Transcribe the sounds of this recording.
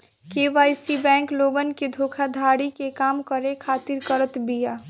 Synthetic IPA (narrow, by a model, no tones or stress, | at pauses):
keʋajsibɛ̃ŋkloɡənked̪ʱokʰad̪ʱaɽikekamkəɾekʰat̪iɾkəɾət̪bija